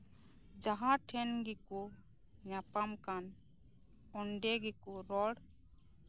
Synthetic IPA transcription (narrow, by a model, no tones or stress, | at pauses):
d͡ʒaɦãʈʰɛnɡiku | ɲapamkan | ɔɳɖɛɡikuɾɔɽ